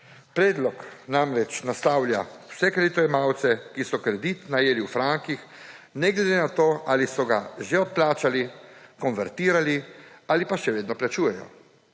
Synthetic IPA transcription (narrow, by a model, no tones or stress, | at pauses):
pɾɛːd̪lɔknamɾɛt͡ʃnast̪aːwlja̰w̥sɛkɾed̪it̪ɔjɛmawt̪sɛkisɔkɾɛd̪it̪najeːliwfɾaŋkix | nɛɡled̪enat̪oːalisɔɡaʒeɔt̪̚plaːt͡ʃalikɔnʋɛɾt̪iːɾaliaːlipaʃɛʋeːd̪nɔplat͡ʃuːjɛjɔ̰